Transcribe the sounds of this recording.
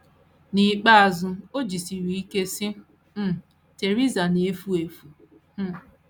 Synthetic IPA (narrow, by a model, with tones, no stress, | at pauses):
ni˨k͡pa˦a˨zʊ˦o˦d͡ʒi˨si˨ɾi˨i˦ke˦sɪ˦ | m̩˦˨ | te˨ɾi˦za˨ne˨e˦fu˦e˨fu˨˦